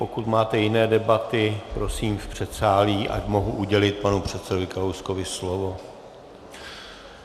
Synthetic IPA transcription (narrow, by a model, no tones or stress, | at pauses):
pokut̪maːt̪ɛjɪnɛːdɛbat̪ɪpɾo̞siːmfpr̝̥ɛt̪saːliːʔa̰cmo̞ɦuʔuɟɛlɪt̪̚panupr̝̥ɛt̪sɛdovɪkaowskovɪslovo̞